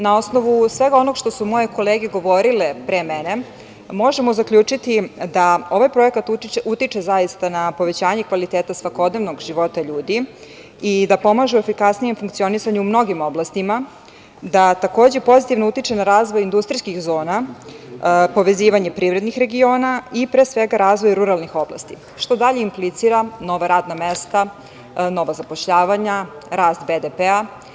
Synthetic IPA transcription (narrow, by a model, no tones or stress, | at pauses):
nao̞snoʋusʋe̞ɡao̞no̞ɡʃt̪o̞sumo̞je̞ko̞leːɡe̞ɡo̞ʋo̞ɾilepɾemɛne̞ | mo̞ʒe̞mo̞zakʎuːt͡ʂit̪id̪ao̞ʋajpɾo̞e̞kat̪ut̪it͡ʃe̞zajist̪anapo̞ʋet͡ɕaːɲekʋalit̪eːt̪asʋako̞d̪ne̞ʋnoɡʒiʋo̞t̪aʎuːd̪i | id̪apo̞maʒuue̞fikasnije̞mfuŋkt̪sio̞nisaɲuːmno̞ɡimo̞blast̪ima | d̪at̪ako̞ːd͡ʑe̞po̞zit̪ivnout̪it͡ʃenaɾaːzʋojind̪ust̪ɾijskixzo̞ːna | po̞ʋe̞ziːʋaɲe̞pɾiːvɾe̞d̪nixɾe̞ɡio̞ːnaipɾesʋeɡaɾaːzʋo̞jɾuɾalˠnixo̞bla̰st̪i | ʃt̪o̞d̪aʎeimplit̪siɾano̞ʋaɾaːd̪namest̪a | no̞ʋazapoʃʎaːʋaɲaɾaːst̪bed̪epea